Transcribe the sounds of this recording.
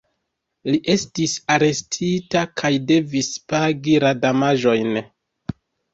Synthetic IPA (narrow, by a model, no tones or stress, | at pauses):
liʔe̞stisaɾe̞stʰitakʰajde̞vispaɡiɾadamaʒo̞jn